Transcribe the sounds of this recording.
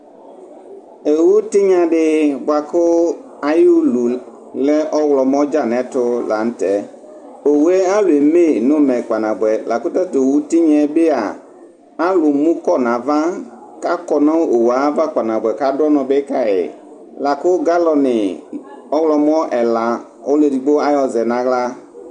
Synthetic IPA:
e˨wu˦t̪ɪ˦ɲã˨ɖɪ˦bo˨a˨kʊ˦ | a˨ju˦lu˨ | lɛ˦ʔɔ˦wlɔ˨mɔ̃˦d͡ʒa˦˨nɛ̃˨˦t̪ʊ˦la˨n̩˦t̪ɛ˦ | o˨wu˨˦e˦a˦lʊ˨e˨me˦˨nʊ̃˦mɛ̃˨k͡pa˨nã˨bɛ˨la˨kʊ˦t̪ɛ˦t̪o˨wu˦t̪i˦ɲɛ̃˨be˦a˨ | a˦lʊ˨mũ˦kɔ˦nã˨va˦ | ka˦kɔ˨nã˦o˨wa˨˦va˦k͡pa˨nã˨bʷɛ˨ka˦dɔ˦nɔ̃˨be˦ka˦ɛ̰˨ | la˨kʊ˦ɡa˦lɔ˨nɪ˨ | ɔ˦wlɔ˨mɔ̃˦ʔɛ˨la˨ | o˦le˨di˨ɡ͡bo˦a˦jɔ˨zɛ˨nã˨ɣla˦

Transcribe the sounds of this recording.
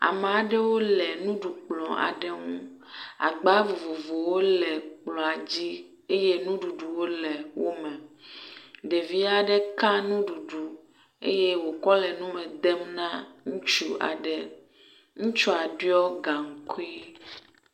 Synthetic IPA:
a̰˨m˨a˨ɖɛ˦wo˦lɛ˨nũ˦ɖu˨k͡plɔ̃˨a̰˨ɖɛ˦ŋũ˦ | a̰˨ɡ͡ba˦vo˨vo˨vo˨wo˦lɛ˨k͡plɔ̃˨a˨d͡ʑi˦ | e˦je˦nũ˦ɖu˨ɖu˨wo˦lɛ˨wo˦mɛ̃˨ | ɖe˨vi˦a˦ɖɛ˦kã˦nũ˦ɖu˨ɖu˨ | ḛ˦je˦wo˨kɔ˦lɛ˨nũ˦mɛ̃˨d̪ɛ˦mnã˦ŋũ˦t͡ʃu˦ʔa̰˨ɖɛ˨ | ŋũ˦t͡ʃɔ˦a˨ɖu˦ɔ˦ɡa˨ŋ̩˨ku˦i˦

